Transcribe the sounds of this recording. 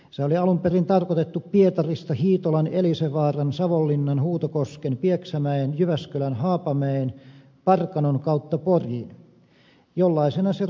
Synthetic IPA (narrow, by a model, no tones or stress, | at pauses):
seoliɑlumperint̪ɑrkot̪et̪ːuppiet̪ɑrist̪ɑhiːt̪olɑneliseʋɑːrɑnsɑʋolːinːɑnhuːt̪okoskenpieksæmæenjyʋæskølænhɑːpɑmeen | pɑrkɑnoŋkɑˑut̪ːɑporjin | jolːɑisenɑse